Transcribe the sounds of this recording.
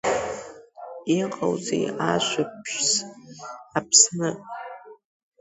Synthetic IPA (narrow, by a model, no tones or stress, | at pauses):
iqʼa̰wzḛjaʃʷapʰʃs | apʰsnɨ